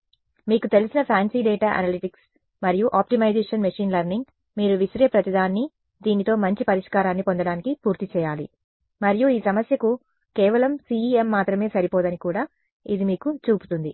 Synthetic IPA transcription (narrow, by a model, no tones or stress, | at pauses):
miːkut̪e̞lisinɐpʰaːnsiːɖeːʈaːʔɐ̰nɐːliʈiks | mɐɾijuʔaːp̚ʈimɐjd͡ʒɛːʂɐnmɐʂiːnlɐɾniŋɡ | miːɾuʋisɾeːpɾɐt̪id̪aːnːi | d̪iːnit̪o̞ːmɐɲt͡ʃipɐɾiʂkaːɾaːnːipo̞nd̪ɐɽaːnikipuːɾt̪it͡ʃɛːjaːlḭ | mɐɾijuiːsɐmɐsjɐku | kɛːʋɐlɐmsiːiːemːaːt̪ɾɐme̞ːsɐɾipoːd̪ɐnikuːɽaː | id̪imiːkut͡ʃuːpu̥t̪und̪i